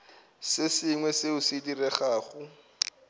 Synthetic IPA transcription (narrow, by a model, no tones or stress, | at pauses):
sɪsɪŋwɛseʊsɪdirɛχaːχʊ